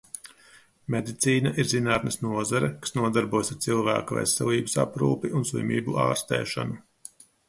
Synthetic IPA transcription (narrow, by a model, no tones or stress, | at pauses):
med̪it̪siːnaʔiɾzinaːt̪nɐsnuɔzaɾɛkḁsnuɔd̪aɾbuɔjsaɾt̪silˠvæ̰ːkuvɛ̰sːɛlˠiːbɐsa̰pɾuːpiʔunslwḭmʲḭːbuʔa̰ːɾst̪ḛːʃa̰nu